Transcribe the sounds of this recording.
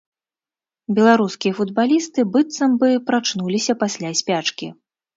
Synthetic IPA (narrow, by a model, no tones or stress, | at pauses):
bʲɛlˠaɾuskʲijɐfud̪̚balʲist̪ɨbɨt̪sɐmbɨpɾat͡ʂnulʲisʲɐpasʲlʲasʲpʲat͡ʂkʲḭ